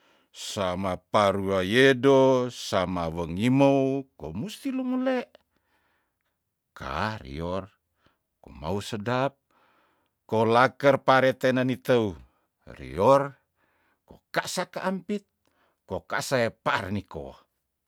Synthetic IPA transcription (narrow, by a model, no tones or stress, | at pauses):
samapaɾuajedosamawəŋimoukomust̪ilumuleʔ | kʰa̰rḭor | koma̰usədap̚ | kolakərpaɾet̪enanit̪əu | rḭor | ko̰kasakaʔampit̪̚ | kokasaepaʔarniko̰